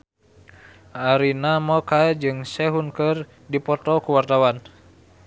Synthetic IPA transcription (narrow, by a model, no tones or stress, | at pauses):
ʔaɾinamɔkad͡ʒɨŋsɛɦunkɨr | dipɔt̪ɔkuwart̪awan